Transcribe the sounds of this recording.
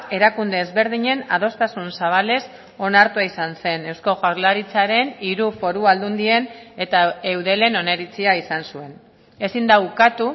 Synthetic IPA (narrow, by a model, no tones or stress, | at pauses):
e̞ɾakund̪e̞ːzβe̞ɾðiɲe̞nað̞o̞st̪asunsaβ̞ale̞s | o̞naɾt̪uaisanse̞ne̞wsko̞ɣaɾlaɾit͡saɾe̞niɾufo̞ɾuald̪und̪ie̞ne̞t̪ae̞wðe̞le̞no̞ne̞ɾit͡siaisansue̞n | e̞sind̪aukat̪u